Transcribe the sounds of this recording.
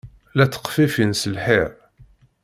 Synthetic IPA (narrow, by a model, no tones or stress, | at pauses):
læt͡sːə̥qfifinsəlħiɾ